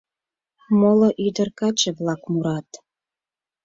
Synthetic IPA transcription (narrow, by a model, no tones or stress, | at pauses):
moloʔyd̪ə̆rkɑt͡ɕeβlɑkmuɾɑt̪